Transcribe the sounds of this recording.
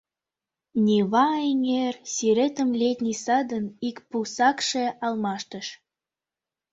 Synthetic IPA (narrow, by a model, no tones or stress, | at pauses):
nʲiβɑeŋersiɾet̪əmlʲet̪ʲnʲisɑd̪ənikpusɑkʃeɑlmɑʃt̪ə̆ʃ